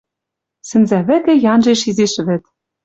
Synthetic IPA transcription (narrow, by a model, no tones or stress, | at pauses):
sɘ̆nzæβɘ̆t̪ĕjɑnʒeʃizeʃɘ̆βɘ̆t̪